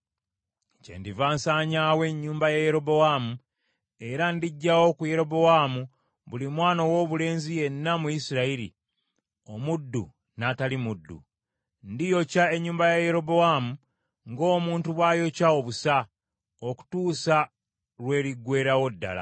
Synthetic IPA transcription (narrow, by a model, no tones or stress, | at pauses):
cḛndivaːnsaːɲawe̞ɲːuːmbajaje̞ɾo̞bowaːmu | e̞ɾandiɟːawo̞kuje̞ɾo̞bo̞wamu | βulimwaːno̞wo̞ːβule̞ːnzije̞nːamujisiɾaiɾḭ | o̞mudːṵ | natalimudːṵ | ndijo̞cae̞ɲːuːmbajaje̞ɾo̞bo̞wamu | ŋɡo̞ːmuːntuβwaːjo̞cao̞βusa | oku̥tuːsa | ɾwe̞ːɾiɡːwe̞ːɾawo̞dːa̰la̰